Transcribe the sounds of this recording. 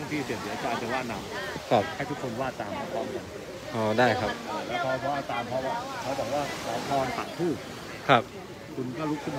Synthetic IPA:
a˥˩˨ŋt̪ʰiː˥˩si˨˩t̚sʰi˩˦˧t̪aː˧t̪i˧˦waː˥˩naː˧˩wkʰa˦˥p̚ha˥˩t̪ʰu˦˥kʰo˧nwaː˥˩t̪aː˧ma˧˩t̪ɔː˦˥˩mka˧n | ʔɔː˧˩daː˥˩jkʰa˦˥p̚ʔaː˨˩lɛː˦˥wpʰɔː˧pʰɔ˦˥ʔaː˧˩t̪aː˧mpʰɔ˦˥wa˧˩pʰɔ˦˥˩bɔː˨˩k̚waː˥˩sa˨˩jt̪ʰɔː˧npa̰˨˩p̪ʰuː˥˩ | kʰɾa˦˥p̚ | kʰu˧nkɔː˥˩ɾu˦˥kʰɯ˥˩

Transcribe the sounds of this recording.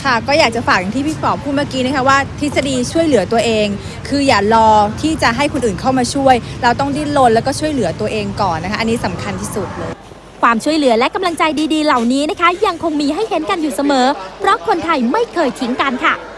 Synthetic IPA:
kʰa˥˩kɔː˥˩jaː˨˩k̚t͡ɕa˨˩faː˨˩k̚ja˨˩ŋt̪ʰiː˥˩pʰi˦˥t̪̚fɔː˨˦pʰuː˥˩maː˥˩kiː˦˥na˦˥kʰa˦˥waː˥˩t̪ʰi˦˥t̪sa˧diː˧t͡ɕʰu˥˩əjlɯ˩˦t̪u˧ɐʔeː˧ŋ | kʰɯː˧jaː˨˩ɾɔː˧t̪ʰiː˥˩t͡ɕa˨˩ɦa˥˩jkʰo˧nʔɯː˨˩nkʰa˥˩wmaː˧t͡ɕʰu˥˩əjɾa˧wt̪ɔ˥˩ŋdiː˥˩lo˧nlɛː˦˥wkɔː˥˩t͡ɕʰu˥˩əjlɯ˩˦ɐt̪u˧ɐʔeː˧ŋkɔː˨˩nːʰ˦˥a˦˥ʔa˧nːiː˦˥sa˩˦mkʰa˧nt̪ʰiː˥˩su˨˩t̪̚lɤː˧j | kʰwaː˧mt͡ɕʰu˥˩əjlɯ˩˦ɐlɛ˦˥ka˧mla˧ŋt͡ɕa˧jdiː˧diː˧la˨˩wniː˦˥na˦˥kʰa˦˥ja˧ŋkʰo˧ŋmiː˧ɦa˥˩jhe˨˦nka˧njuː˨˩sa˧mɤː˩˦pʰɾɔ˦˥kʰo˧nt̪ʰa˧jma˥˩jkʰɤː˧jt̪ʰi˩˦ŋka˧nkʰa˥˩

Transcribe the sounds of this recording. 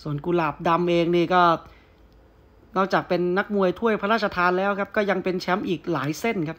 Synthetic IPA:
su˨˩ənku˧laː˨˩p̚da˧mʔeː˧ŋniː˥˩kɔː˥˩ | nɔː˥˩k̚t͡ɕaː˨˩k̚pe˧nːa˦˥k̚mu˧əjt̪ʰu˥˩əjpʰa˧ɾaː˥˩t̪̚t͡ɕa˧t̪ʰaː˧nlɛː˦˥wkʰa˦˥p̚kɔː˥˩ja˧ŋpe˧nt͡ɕʰɛ˦˥mʔiː˨˩k̚laː˩˦jse˥˩nkʰa˦˥p̚

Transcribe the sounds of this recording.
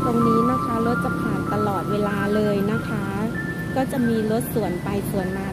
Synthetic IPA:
t̪ʰo˧ŋniː˦˥na˦˥kʰa˦˥lo˦˥t̪̚t͡ɕa˧pʰaː˨˩nt̪a˧lɔː˨˩t̪̚weː˧laː˧lɤː˧jna˦˥kʰa˦˥ | kɔː˥˩t͡ɕa˨˩ʔmiː˧lo˦˥t̪̚su˨˩ənpa˧jsu˨˩˦ənmaː˧

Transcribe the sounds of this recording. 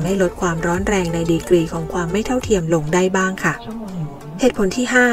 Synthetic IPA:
mha˥˩jlo˦˥t̪̚kʰwaː˧mɾɔː˦˥nɾɛː˧ŋna˧jdiː˧kɾiː˧kʰɔː˩˦ŋkʰwaː˧mːa˥˩jt̪ʰa˥˩wt̪ʰi˧əmlo˧ŋda˥˩jbaː˥˩ŋkʰa˥˩ | heː˨˩t̪̚pʰo˩˦nt̪ʰiː˥˩ɦaː˥˩

